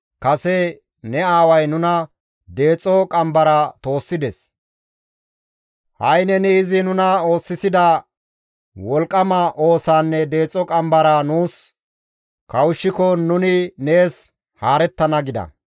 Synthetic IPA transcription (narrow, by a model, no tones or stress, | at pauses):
kɐsɛ | nɛaːwɐjnʊnɐ | d̪e̞ːt͡sʼːɔkʼɐmbɐɾɐt̪o̞ːsːɪd̪ɛs | hɐjnɛnɛɪzɪnʊnɐo̞ːsːɪsɪd̪ɐ | wɔlkʼːɐmɐʔo̞ːsaːnːɛd̪e̞ːt͡sʼːɔkʼɐmbɐɾɐnuːs | kɐwʊʃːɪkɔnʊnɪne̞ːs | haːɾɛt̪ːɐnɐɡɪd̪ɐ̰